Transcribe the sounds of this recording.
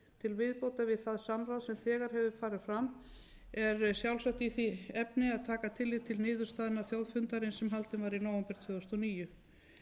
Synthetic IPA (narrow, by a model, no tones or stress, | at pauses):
t̪ʰɪlvɪðpowt̪avɪðθaðsamɾawðsɛmθɛːɣaɾ̥ɦɛvʏfaːɾɪð̥fɾam | ɛɾsjawlsaht̪iθiɛpnɪaðt̪ʰaːkat̪ʰɪlːɪt̪ʰɪlnɪːðʏɾ̥st̪aːðɪnaθjowðfʏnt̪aɾɪnsɛmɦalt̪ɪnvaɾinoːwɛmpɛɾ̥t̪ʰvœːʏst̪ɔniːjʏ